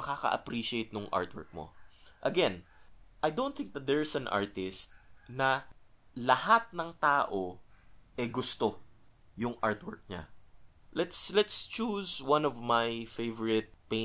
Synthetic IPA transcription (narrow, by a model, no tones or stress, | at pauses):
ɐkakɐ̰ʔɐ̰pɾiʃɪejt̪̚nʊŋʔa̰ɹt̪wɛ̰ɹk̚mo̰ʔɐɡɛnʔajd̪õw̃nθɪ̃ŋk̚d̪ɐt̪̚d̪ɛɹsɐ̃nʔa̰ɹt̪ɪst̪̚nɐ | lɐhat̪̚nɐŋt̪aːʔoʔɛɡʊst̪o | jʊŋʔaɹt̪wɛɹk̚ɲa̰ | lɛt̪slɛt̪st͡ʃuswɐ̃nɔvmajfejvəɹɪt̪̚pe